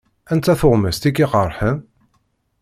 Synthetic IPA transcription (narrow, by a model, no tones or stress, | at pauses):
ænt͡s̪ːæθoʁmæst̪ikːiqəɾˤħəm